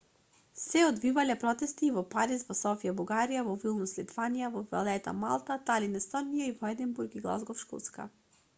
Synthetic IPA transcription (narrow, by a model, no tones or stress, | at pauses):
sɛɔd̪vivalɛpɾɔt̪ɛst̪iːvɔpaɾisvɔsɔfijabuɡaɾijavɔvilˠnuslit̪vanijavɔvɛlɛt̪a̰ma̰lˠt̪at̪alinɛst̪ɔnijaivɔɛd̪ɛnbuɾɡiɡlˠa̰zɡɔfʃkṵt̪ska̰